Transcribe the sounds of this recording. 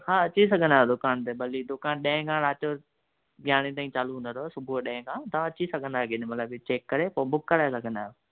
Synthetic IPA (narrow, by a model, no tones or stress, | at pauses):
hãːɐt͡ɕis̬ɐɡʱənd̪aːɦod̪ʊkaːnt̪ebɐlid̪ʊkaːnɗẽɪ̃kãːɽ̃aːt͡ɕo | ɡʱjaːɽ̃it̪̬aːĩt͡ɕaːluũnd̪əɾosʊbʱuɗɐ̃ɦẽkãːt̪ɐʋãɐt͡ɕisɐɡʱə̃nd̪aːɡinemɐt̪ləbt͡ɕeːkːɐɾepobʊkːəɾaːesɐɡʱə̃nd̪aːɦjo